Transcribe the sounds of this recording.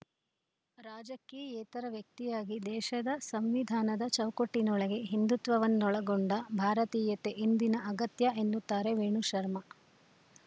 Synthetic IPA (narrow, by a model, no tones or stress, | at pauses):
ɾaːd͡ʒɐkːeɛːt̪ɐɾɐʋjɐk̚t̪ijaːɡid̪ɛːʃɐd̪ɐsɐmʋid̪ʱaːnɐd̪ɐt͡ʃɐwkoʈːinɔɭɐɡe̞ɦind̪ut̪ʋɐʋɐnːɔɭɐɡoɳɖɐbʱaːɾɐt̪iːjɐt̪eʔind̪inɐʔɐɡɐt̪jɐʔe̞nːut̪ːaːɾe̞ʋeːɳuʃɐɾmɐ